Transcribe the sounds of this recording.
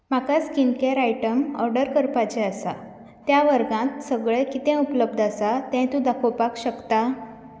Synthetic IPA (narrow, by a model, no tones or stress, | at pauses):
m̤akaskinkeɾajʈəməɾɖəɾkəɾpat͡ɕɛ̃əsa | t̪jaʋəɾɡãt̪səɡɭɛkit̪ɛ̃upləb̚d̪ʱasat̪ɛ̃t̪ũd̪akʰowpakɕəkt̪a